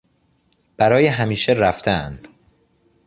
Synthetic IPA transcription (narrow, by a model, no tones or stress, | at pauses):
b̥æɾɒːjeɦæmiːʃeɾæft̪ʰeæ̰nd̪̥